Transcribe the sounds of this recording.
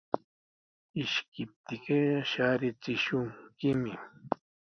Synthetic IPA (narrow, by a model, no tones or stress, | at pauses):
ɪʃkɪp̚t̪ɪkɪʃaɾɪt͡sɪʃʊŋkɪmɪ